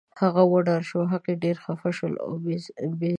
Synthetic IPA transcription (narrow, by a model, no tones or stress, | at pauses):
haɣawəɖɑɾʃoɦaqeɖeɾxafaʃəla̰be